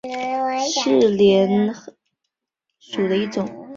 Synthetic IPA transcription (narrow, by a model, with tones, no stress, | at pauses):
ʂɻ̩˥˩ljɛ˧˥n | ʂu˨˩d̪ə˦i˥˩ʈ͡ʂʊ˨˩˦ŋ